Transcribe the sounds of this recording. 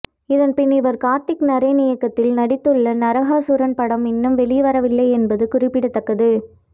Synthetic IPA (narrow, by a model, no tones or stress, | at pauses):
ɪðɐnpɪnɪʋɐɾkaːɾt̪ːɪknɐɾɐnɪjɐkːɐt̪ːɪlnɐɽɪt̪ːɯɭːɐnɐɾɐɣaːsʊɾɐnpɐɽɐmɪnːɯmʋɛɭɪjʋɐɾɐʋɪlːɐɪɛnbɐðɯkʊrɪpːɪɽɯt̪ːɐkːɐðɯ